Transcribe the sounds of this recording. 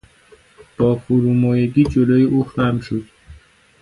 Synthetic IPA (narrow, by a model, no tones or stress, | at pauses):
b̥ɒːfuɾumɔːjeɡiːd͡ʒoloːjeʔuːxæmʃod̪̥